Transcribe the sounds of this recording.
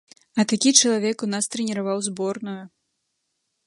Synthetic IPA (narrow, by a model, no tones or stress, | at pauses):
ɐt̪akʲit͡ʂɐlˠavʲɛkunast̪ɾɛnʲɛɾavawzbɔrnuju